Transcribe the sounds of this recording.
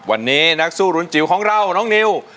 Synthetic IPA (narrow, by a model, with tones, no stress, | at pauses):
wa̰˧˩nːiː˦˥na˦˥k̚suː˥˩ɾu˨˧˦ənt͡ɕi˨˦wkʰɔː˨˦ŋɾa˧˩wnɔː˦˥˩ŋni˧˥w